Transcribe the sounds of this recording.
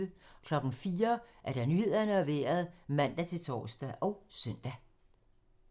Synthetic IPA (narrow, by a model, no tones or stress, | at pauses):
əkʰlɒ̽ɡ̥n̩fiːɐʔæɐɾ̥æ̈nyhe̝ð̰ˠɐnəɒʋḛːɐð̞̩ˠmæn̰d̥æt͡sʰe̝lt͡sʰɒ̰ːsd̥æʔɒ̽ʊsœn̰d̥æ